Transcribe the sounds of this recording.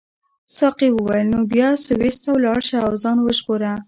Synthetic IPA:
sɑqiwəwajəlnobjɑsʊwest̪awlɑɽʃaːwzɑnwəʒɣoɾa

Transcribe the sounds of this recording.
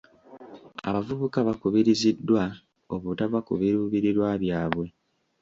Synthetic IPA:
a̰βavuβukaβakuβiɾizidːwa | oβutaβakuβiɾuːβiɾiɾwaβjaːβwe̞

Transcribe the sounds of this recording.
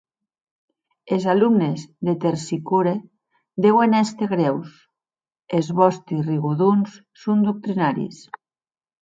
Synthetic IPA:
ezalumnezðet̪eɾsikuɾe | d̪ewenest̪eɣɾɛws | ezβɔst̪isriɣuðunsːund̪uk̚t̪ɾinaɾḭs

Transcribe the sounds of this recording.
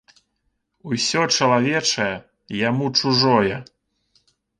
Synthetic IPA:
usʲɔt͡ʂɐlˠavʲɛt͡ʂɐjɛ | jamut͡ʂuʐɔjɛ

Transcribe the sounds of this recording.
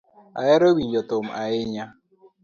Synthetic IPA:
a̰jɛɾobijɔtʊm̩ʔaɪɲa

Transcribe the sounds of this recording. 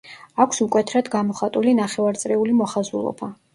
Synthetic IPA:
akʷʰsukʼwɛt̪ʰɾad̪ɡamɔχat̪ʼulinaχɛvaɾt̪sʼɾɛulimɔχazulˠɔ̰ba

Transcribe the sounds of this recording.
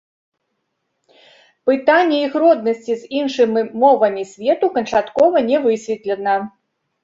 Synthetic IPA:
pɨt̪anʲːɛiɣɾɔd̪̚nɐsʲt͡sʲizʲinʂɨmʲimɔvɐmʲisʲvʲɛt̪ukɐnt͡ʂat̪kɔvɐnʲɛvɨsʲvʲɛt̪lʲɛnɐ

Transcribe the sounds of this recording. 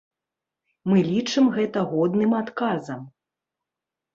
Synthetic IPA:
mɨlʲit͡ʂɨmɣɛt̪ɐɣɔd̪nɨmat̪kazɐm

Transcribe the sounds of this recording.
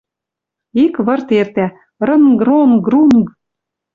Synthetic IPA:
ikβɤ̆rt̪ert̪æ | rɤ̆nɡronɡrunɡ

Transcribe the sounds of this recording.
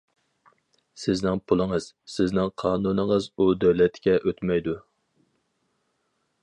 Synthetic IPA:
sɪznɪŋpʰulˠɨŋəz̥ | sɪznɪŋqʰɑːnunɨŋəzud̪øwlɛt̪kʲɛʔøt̪mɛjd̪u

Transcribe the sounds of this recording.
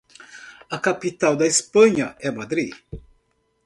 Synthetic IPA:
ɐkapit̪awd̪ɐispɐ̃ɲɐʔɛmad̪ɾi

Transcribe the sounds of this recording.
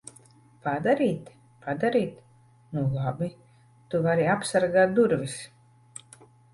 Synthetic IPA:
pad̪aɾiːt̪ | pʰad̪aɾiːt̪ | nulˠabi | t̪uvaɾiapsaɾɡaːt̪̚d̪uɾvis

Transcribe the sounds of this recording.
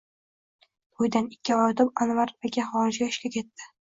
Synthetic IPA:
ʊjd̪anɪkʲːɪɒjd̪ɪpanvaɾaɡʲaχɒɪd͡ʒɡʲaɪʃkʲakʲʰe̞t̪ːɪ̥

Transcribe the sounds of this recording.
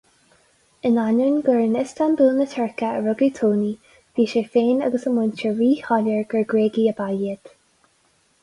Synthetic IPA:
ɪnanənɡəɹənɪstʰanbuːnət̪ʰəɹkəəɹʊɡət̪ʰoːni | v̥iːʃefeːnəɡəsəmʊnt͡ʃəɹiːhɔləɹɡ̥əɹɡɹeːɡiəbajiət̪

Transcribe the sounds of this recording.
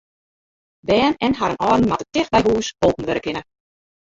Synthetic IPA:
dɛːnɛnɦaɾənʔɔːdn̩matətɪx̚bɛjɦuːsoːpn̩ʋøɾəkɪnə

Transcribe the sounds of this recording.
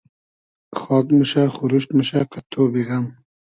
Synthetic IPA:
xɑːkmuʃaxʊɾuʃt̪muʃaqat̪ʰoːbiɣam

